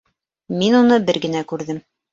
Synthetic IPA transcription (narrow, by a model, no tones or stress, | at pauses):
minunɤbɘɾɡɘ̆nækʉɾðɘm